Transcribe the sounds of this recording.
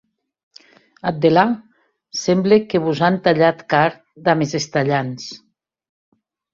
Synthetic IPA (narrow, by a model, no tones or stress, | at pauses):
at̪̚d̪ela | sɛmblekeβuzant̪aʎat̪kaɾ | d̪amezest̪aʎans